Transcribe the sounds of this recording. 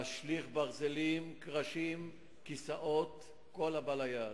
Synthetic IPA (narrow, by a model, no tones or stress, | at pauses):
aʃliχbaʁzelimkʁaʃim | kisaʔot̪ | kolabalaja